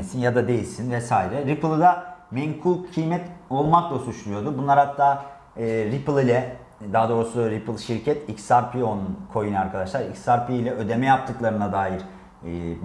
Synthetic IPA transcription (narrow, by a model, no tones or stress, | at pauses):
esinjad̪ad̪e̞jilʲsinvɛsaːɾɛɾiplˠɯd̪amɛŋkʰulˠcʰɯjmɛt̪o̞lˠmaklˠasut͡ʃlˠujo̞d̪ubunlˠaɾhat̪ʰːaː | ɾiplˠilʲɛ | d̪aɦad̪o̞ːɾusuɾipʰɯlˠʃiɾcʰɛt̪icsaɾpʰio̞nunkʰo̞junaɾkʰad̪aʃlˠaɾicsaɾpiilʲɛʔø̞d̪emɛjap̚t̪ʰɯklˠaɾɯnad̪aːjiɾ̥